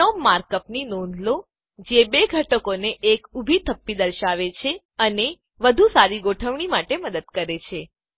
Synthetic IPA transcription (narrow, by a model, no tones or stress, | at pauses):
omːaɾkəpninõnd̪ʱlo | d͡ʒebeɡʱəʈəkoneʔːkubʱit̪ʰəpːid̪əɾʃaʋet͡ʃʰe | əne | ʋəd̪ʱusaɾiɡoʈʰəʋɳ̃imaʈeməd̪əd̪kəɾet͡ʃʰe